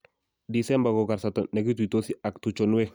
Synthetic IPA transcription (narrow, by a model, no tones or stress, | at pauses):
disɛmbakokaɾsatɔnek̬itwitosiak̚tut͡ʃonwe